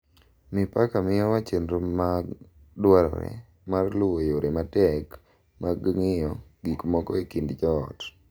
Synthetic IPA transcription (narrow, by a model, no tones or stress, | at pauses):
mɪpakamɪjɔwat͡ʃendɾoma | dwaɾɔ̰ɾɛ̰ | marlojoɾematɛk | maɡŋɪjɔ | ɡikmɔkɔekindd͡ʒɔ̰ːt